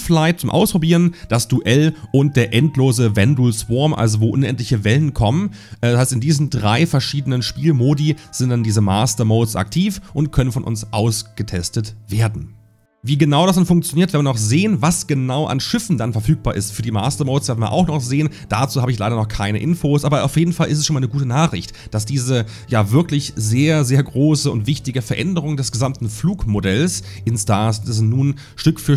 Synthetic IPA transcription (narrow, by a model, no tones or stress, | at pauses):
flaɪt̚t͡sʊmʔa̰ʊspʁ̥obiːʁənd̥asd̥uʔɛlʔʊnt̚d̥eːɐʔɛntloːzəvɛndulsv̥ɔɐmʔa̰lzovoːʔʊnʔɛntlɪçəvɛlənkʰɔmən | shaɪstɪndiːzn̩dʁaɪfɛɐʃiːdənənʃpiːlmoːdiz̥ɪntd̥andiːzəma̰ːstɐmoːsʔa̰ktʰiːfʔʊntkʰœnənfɔnʔʊ̰nsʔaʊsɡ̥ətʰɛstətv̥eːɐdn̩ | viːɡənaʊɾas̬d̥ɛnfʊŋk̚t͡sjoniːɐtvɛnvɪnɔχzeːənvasɡ̥ənaʊʔa̰nʃɪfn̩danfɛɐfyːk̚b̥aːɐɪstfyːɐdiːma̰ːstɐmoʊsveːɐdn̩viɐʔa̰ʊxnɔχz̥eːənd̥at͡suːhaːbəɪçlaɪdɐnɔχkʰaɪnə̰ʔɪnfoːsʔaːbɐʔaʊfjeːdn̩falʔɪ̰stɛsʃoːnmaɪnəɡuːtənaːχɪçtd̥asd̥iːzə | jaːvɪɐklɪçzeːɐzeːɐɡʁoːsəʊntv̥ɪçtɪɡəfɛɐʔɛndəʁ̞ʊŋdɛsɡ̥əzamtn̩fluːkmodɛls | ʔɪnstaːss̬nuːn | ʃtʏkfyːɐ